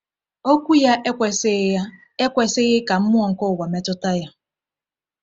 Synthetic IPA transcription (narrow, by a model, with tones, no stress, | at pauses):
o˦kʷu˦ja˦ʔe˦kʷe˨se˦ | e˦kʷe˦sɪ˦ɣɪ˦ka˨m̩˦mʊ˦ɔ˨ŋ̩˨kʊ˦˨wa˨me˦tʊ˦ta˦ja˦